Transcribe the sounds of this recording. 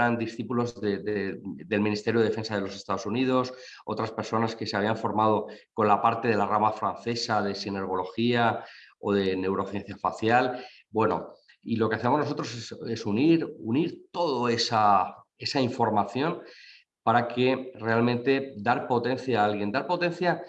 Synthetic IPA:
ɾand̪isθipulo̞zðeded̪e̞lmĩnist̪eɾjoefe̞nsaðelo̞se̞st̪aðo̞sunið̞o̞s | o̞t̪ɾaspe̞ɾso̞naske̞se̞aβ̞iaɱfo̞ɾmað̞o̞ko̞nlapaɾt̪e̞ðe̞laramafɾanθe̞sað̞e̞sine̞ɾɣ̞o̞lo̞xiao̞̰ð̞e̞ne̞wɾo̞θje̞n̟θjafaθjal | bwe̞no̞̰ | ilo̞ke̞aθemo̞zno̞so̞t̪ɾo̞sese̞suniɾuniɾt̪o̞ðoe̞sa | e̞saiɱfo̞ɾmaθjo̞n | paɾake̞re̞almẽnt̪e̞d̪aɾpo̞t̪e̞nθjaalɣje̞nd̪aɾpo̞t̪e̞nθja

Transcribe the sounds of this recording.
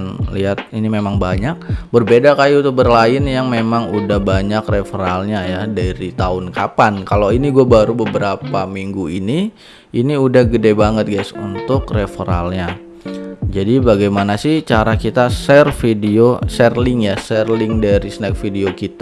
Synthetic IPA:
nliɦat̪̚inimemaŋbaɲak̚bərbedakajuut̪ʊk̚bərlaɪnjaŋmemaŋudahbaɲakrefɾalɲajadaɾit̪aʊnkapankaloiniɡuabaɾubəbəɾapamiŋɡuini | iniudahɡədebaŋət̪̚ɡajsṵnt̪ʊkrefɾa̰lɲa | d͡ʒadibaɡajmanasɪht͡ʃaɾakit̪asɛrfidiosɛrlɪŋjasɛrlɪŋdaɾisənɛk̚fideokit̪

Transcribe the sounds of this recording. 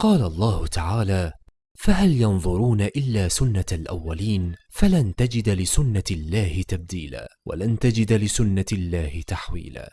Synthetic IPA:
qɑːlalˤːɑːhʊt̪aʕaːlaː | faɦaljɑnðˤʊɾuːnaʔɪlːaːsʊnːalʔawːaliːn | falant̪ad͡ʒɪd̪lɪsʊnːalːaːhɪt̪ab̚d̪iːla̰ːwa̰lant̪ad͡ʒɪd̪lɪsʊnːalːaːhɪt̪aħwḭːla̰ː

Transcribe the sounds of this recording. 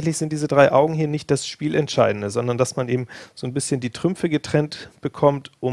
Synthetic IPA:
ŋ̩tlɪçz̥ɪnt̚d̥iːzədʁaɪʔaʊɡŋ̩hiːɐnɪçt̚d̥asʃpiːlɛntʃaɪdn̩dəzɔndɐndasmanʔeːbm̩z̥oːnbɪsçəndiːtʁ̥ʏmfəɡətʁ̥ɛntb̥əkʰɔmtʔʊ

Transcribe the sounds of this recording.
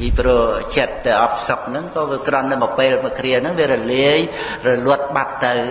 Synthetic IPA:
iprot͡ɕət̪̚ːɨʔɑp̚ʰsok̚nɨŋkɑːʋiəkrɑnːɨmɔpeːlməkʰriənɨŋʋiərɔliəj | rɔlʊət̪̚ɓat̪ːɨw

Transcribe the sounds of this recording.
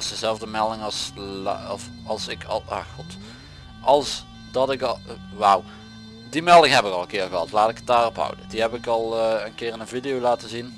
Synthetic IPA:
sdəzɛlˠvdəmɛlˠdɪŋɑs | f | ɑlˠsɪkʰɑ̰lˠa̰ːxut | ɑlˠs | dɑtɪk | ʋaw | dimɛlˠdɪŋɦɛpɪkɑlˠənkɪːɹɣəɦɑltlaːtɪkət̚daːrɔpɦʌ̰wdədiɦɛpɪkɑlˠənkɪːɹɪnənvidijowlaːtəzin

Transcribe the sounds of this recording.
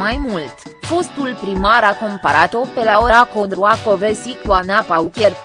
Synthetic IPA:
majmult̪fo̞st̪ulpɾimaɾako̞mpaɾat̪opelaoɾakont̪ɾuakovesik̪wanapaukʲeɾ

